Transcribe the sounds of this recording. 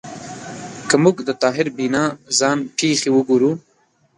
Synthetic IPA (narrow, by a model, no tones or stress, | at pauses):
kəmuɡd̪ət̪ɑːɦɪɾbinɑːzɑːnpʰeːxewəɡuːɾu